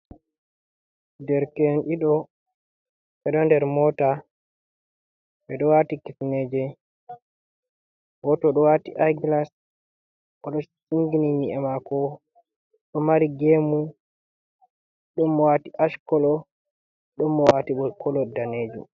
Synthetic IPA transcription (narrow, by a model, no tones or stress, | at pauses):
dɛɾkɛnɗiɗɔ | ɛɗɔndɛɾmɔta | ɓɛɗɔwatikifned͡ʒɛ | ɡɔtɔɗɔwatiʔaɡlas | ɔɗɔsiŋɡiniɲiɛmakɔ | ɗɔmaɾiɡemu | ɗɔmːɔwatiʔaʃkɔlɔ | ɗɔmːɔwatiɓɔkʰɔlɔdaneːd͡ʒṵm